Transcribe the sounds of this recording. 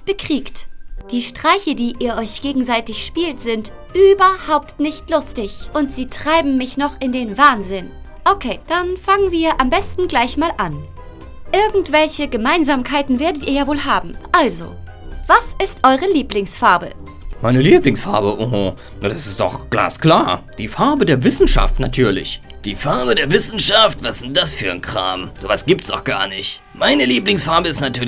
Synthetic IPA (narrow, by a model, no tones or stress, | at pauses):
b̥əkʁ̥iːktd̥iːʃtʁ̥aɪçədiːʔiːɐʔɔʏçɡ̥eːɡŋ̩zaɪtɪçʃpiːltz̥ɪnt | ʔyːbɐhaʊptnɪçtlʊstɪçʔʊntz̥iːtʁ̥aɪbm̩ːɪçnɔχɪndeːnvaːnzɪnʔokʰeːd̥anfaŋənviːɐʔambɛstn̩ɡlaɪçmaːlʔan | ʔɪɐɡŋ̩tv̥ɛlçəɡəmaɪnzaːmkʰaɪtn̩veːɐdətʔiːɐjaːvoːlɦaːbm̩ʔalzo̰ː | vasɪstʔɔʏʁ̞əliːplɪŋsfaɐbə̰ | maɪnəliːplɪŋsfa̰ɐbəʔohʊ | nad̥asɪstɔ̰xɡ̥la̰ːskl̥aːɐd̥iːfaɐbədeːɐvɪsn̩ʃa̰ftnatʰyːɐlɪ̰ç | d̥iːfaɐbədeːɐvɪsn̩ʃaftv̥asz̥ɪnt̚d̥asfyːɐnkʁ̥a̰ːmz̥oːvasɡ̥iːp̚tsɔ̰xɡ̥a̰ːɐnɪçt | maɪnəliːplɪŋsfaɐbəɪstnatʰyːɐ